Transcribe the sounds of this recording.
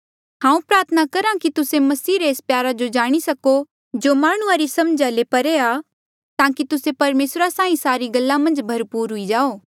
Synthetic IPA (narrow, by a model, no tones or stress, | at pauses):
hãːũpɾaːɾt̪ʰənakɐɾãkit̪ʊsemɐsiːɾeeːspjaːɾad͡ʒod͡ʒaːɽ̃isɐko | d͡ʒomaːɽ̃ʊaɾisɐmd͡ʒalepɐɾeaː | t̪ãːkit̪ʊsepɐɾmeːsɾasãːĩsaːɾiɡɐlːamɐ̃nd͡ʒbʱɐɾpuːɾɦʊid͡ʒaːoː